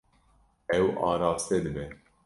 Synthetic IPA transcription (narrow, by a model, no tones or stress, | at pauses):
ɛwɑːɾɑːst̪ɛd̪ɨbɛ